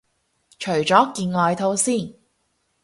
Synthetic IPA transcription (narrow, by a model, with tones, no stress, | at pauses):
t͡ʃʰɵ˨˩ɥt͡ʃɔː˨˥kiː˧nŋɔː˨˧jt̪ʰo˨˧˥wsiː˥˩n